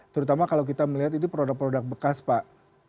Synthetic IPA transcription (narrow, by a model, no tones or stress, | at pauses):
t̪əɾut̪amakalawk̬it̪aməliɦat̪inipəɾodak̚pəɾodak̚bəkaspaʔ